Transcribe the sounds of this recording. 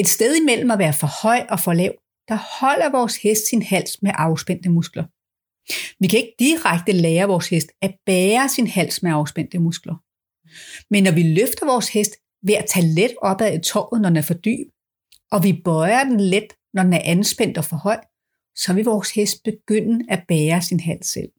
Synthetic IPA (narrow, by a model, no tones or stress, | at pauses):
e̝d̥sd̥eð̞ˠimel̰m̩æʋæːɐfɒ̽hɒ̽ɪ̰ɒ̽fɒ̽lɛʊ̰ | d̥ɑ̈hɒ̽l̰ɐʋɒːshesd̥sinhæl̰smeʔɑ̈ʊsb̥en̰d̥əmusɡ̥lɐ | ʋikʰæe̝ɡ̥əd̥iʁaɡ̥̚d̥əlɛːɐʋɒːshesd̥æb̥ɛːɐsinhæl̰smeɑ̈ʊsb̥en̰d̥əmusɡ̥lɐ | menːɒʋiløfd̥ɐʋɒːshesd̥ | ʋeɐæt͡sʰæled̥ɒ̽b̥æðˠit͡sʰɒ̰ːð̩ˠnɒd̥enæɐfɒd̥y̰ːb̥ | ʔɒ̽ʋib̥ɒɪɐd̥enled̥ | nɒd̥enæɐʔænsb̥en̰d̥ɒ̽fɒ̽hɒ̽ɪ̰d̥ | sɒ̽ʋe̝lʋɒːshesd̥̚b̥e̝ɡ̥øn̰əæb̥ɛːɐsinɦæl̰sːel̰